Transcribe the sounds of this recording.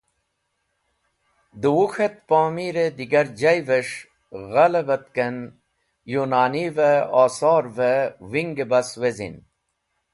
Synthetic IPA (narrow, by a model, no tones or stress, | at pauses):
d̪uwuxet̪̚poːmiɾed̪iɡɐɾd͡ʑɐjveʂ | ɣɐlɐvɐt̪̚ken | junaːniveaːsoːɾvewiŋɡebɐswezḭn